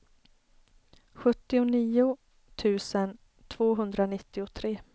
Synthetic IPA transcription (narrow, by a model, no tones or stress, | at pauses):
ɧɵt̪ːɪʊniːʊ | t̪ʰʉ̟ːsən | t̪ʰv̥oːɦɵnd̪ɾanɪt̪ːɪʊt̪ʰɾeː